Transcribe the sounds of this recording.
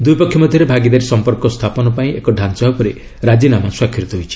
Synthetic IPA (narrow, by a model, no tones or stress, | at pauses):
d̪ujpɔkʰjɔmɔd̪ʱjɔɾebʱaɡid̪aɾisɔmpɔɾkɔst̪ʰapɔnɔpaĩekɔɖʱant͡ʃaɦɔpɔɾi | ɾad͡ʒinamaswakʰɾit̪ɔɦojt͡ʃʰi̥